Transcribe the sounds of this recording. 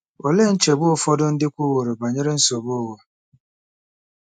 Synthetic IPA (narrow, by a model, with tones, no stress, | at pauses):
ɔ˨le˦˨n̩˦t͡ʃe˨bʊ˦ʊ˦˨fɔ˦dʊ˦n̩˦dɪ˦kʷu˦wo˨ɾo˨ba˨ɲe˦ɾe˦n̩˦so˨bʊ˦˨wɔ˨